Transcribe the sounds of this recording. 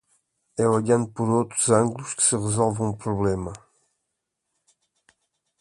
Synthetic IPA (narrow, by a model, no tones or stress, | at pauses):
ɛɔʎãnd̪upɔɾot̪ɾuzãŋɡluʃkɨ̥sɨʁəzɔlˠvẽũpɾuβlɛmɐ